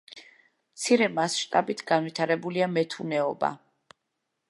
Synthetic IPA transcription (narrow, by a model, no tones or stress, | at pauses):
mt̪sʰiɾɛmasʃt̪ʼabit̪ʰɡanvit̪ʰaɾɛbuliamɛt̪ʰunɛɔba̰